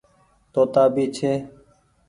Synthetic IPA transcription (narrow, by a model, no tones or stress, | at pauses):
t̪oːt̪aːbiːt͡ʃʰeː